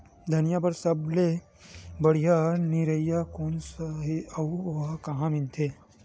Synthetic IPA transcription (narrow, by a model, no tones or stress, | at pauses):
d̪ʱɐnijabɐɾsɐble | bɐɽ̤ijaniɾəjakoːnsaɦiɐuakɐɦãːmɪ̃nt̪ʰeː